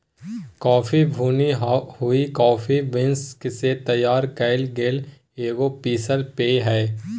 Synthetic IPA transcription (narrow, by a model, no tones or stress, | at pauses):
kɔːfibʱuːniɦhʊikɔːfʰiʋɪnskset̪ɐjaːɾkɐɪlɡeːl | eːɡopiːsəlpeːɦɛː